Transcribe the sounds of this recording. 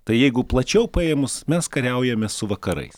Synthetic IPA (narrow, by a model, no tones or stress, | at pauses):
t̪ɐɪjɛɪɡʊplˠɐt͡ʃʲɛʊpɑemʊsmʲɛskɐɾʲɛʊjɛmʲɛssʊʋɐkɐɾɐ̰ɪs